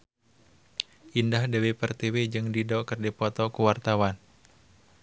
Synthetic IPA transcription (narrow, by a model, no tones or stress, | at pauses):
ʔindahdewepərt̪ewed͡ʒɨŋdidɔkɨrdipɔt̪ɔkuwart̪awan